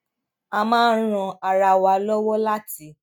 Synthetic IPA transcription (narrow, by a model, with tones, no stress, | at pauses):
a˧mãː˦n˦ɾ̃ɔ̃˧a˨ɾa˧wa˧lɔ˦wɔ˦la˦ti˨˦